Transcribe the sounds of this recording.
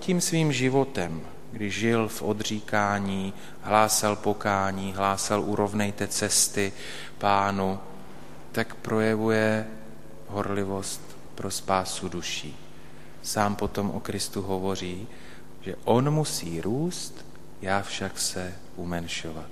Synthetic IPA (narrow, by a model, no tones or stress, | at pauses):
ciːmsviːmʒɪvo̞t̪ɛm | ɡdɪʒʒɪlfʔo̞d̪r̝iːkaːɲiː | ɦlaːsɛlpo̞kaːɲiːɦlaːsɛlʔuɾo̞vnɛjt̪ɛt͡sɛst̪ɪ | paːnu | t̪akpɾo̞jɛvujɛ | ɦo̞ɾlɪvo̞st̪ | pɾo̞spaːsuduʃiː | saːmpo̞t̪o̞mʔo̰kɾɪst̪uɦo̞vo̞r̝iː | ʒ̥ɛʔo̞nmusiːɾuːst̪ | jaːfʃaksɛ | ʔumɛnʃovat̪̚